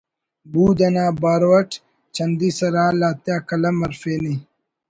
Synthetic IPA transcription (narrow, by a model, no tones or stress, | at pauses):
buːd̪ɐnaːbaːɾwɐʈ | t͡ɕʰɐnd̪isɐɾaːlaːt̪jaːkɐlɐmɐɾfeːni